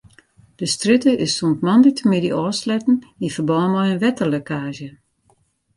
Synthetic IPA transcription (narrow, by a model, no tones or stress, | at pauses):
d̥əstritəɪsːuntmandək̚tʰəmɪdiʔɔːslɛtn̩ifəbɔːmɔjənʋɛtərlokaːʒjə